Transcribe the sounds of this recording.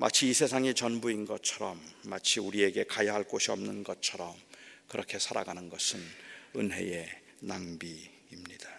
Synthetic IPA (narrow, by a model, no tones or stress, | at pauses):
ma̰t͡ɕʰiːsʰe̞sʰaŋit͡ɕʌnbuinɡʌt͡ɕʰʌɾʌmːat͡ɕʰiuɾie̞ɡe̞kajaɦaɭk͈oɕʰiʌmnɯnɡʌt͡ɕʰʌɾʌmkɯɾʌkʰe̞sʰaɾa̰ɡanɯnɡʌsʰɯnɯnɦe̞̰je̞ | naŋbiː | mɲid̥a